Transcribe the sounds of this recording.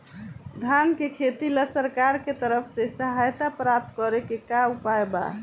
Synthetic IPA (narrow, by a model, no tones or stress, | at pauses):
d̪ʱankekʰet̪iləsəɾkaɾket̪əɾəpʰsẽsəɦajt̪apɾap̚t̪kɔɾekekaupaeba̰